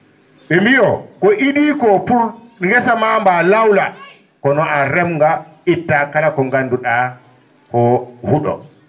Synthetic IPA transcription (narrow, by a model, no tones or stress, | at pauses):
ɓɛmbijɔkɔʔiɗiːkɔpuɾŋɡɛsamambalawla | kɔnɔʔaɾɛmŋɡa | itːakalakɔŋɡanduɗa | kɔhuɗɔ̰